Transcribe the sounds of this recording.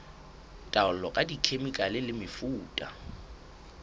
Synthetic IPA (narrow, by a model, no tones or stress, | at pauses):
tʼaʊlɔkʼadikʰemikʼalɪlɪmɪfuːtʼa̰